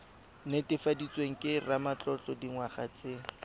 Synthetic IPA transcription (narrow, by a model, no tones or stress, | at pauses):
netɪfadit͡sweŋ̩kʼɪramat͡ɬɔt͡ɬʼɔdiŋwaχa̰t͡sɪ